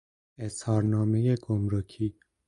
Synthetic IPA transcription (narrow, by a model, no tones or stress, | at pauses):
eshɒːɾnɒːme̞je̞ɡ̥omɾocʰiː